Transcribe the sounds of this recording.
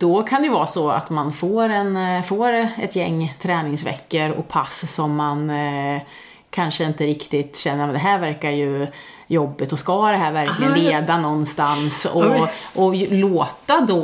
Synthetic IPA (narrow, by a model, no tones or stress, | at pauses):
d̪̥ɔkʰand̪ɛjɵvɑːsɔa̰t̪manfoːɾɛnfoːɾɛt̪jɛŋːt̪ʰɾɛːnɪŋsvɛ̰kːəɾɔ̰pʰassɔmːan | kʰanʂəɪnt̪əɾɪkt̪ɪt̪ɕɛnːəɾmɛnd̪ɛɦæːɾvæɾkaɾjɵ | jɔbːɪt̪ɔskad̪ɛɦæːɾvæɾklɪɡənleːd̪anɔnːst̪ansɔʔɔloːt̪ad̪ɔ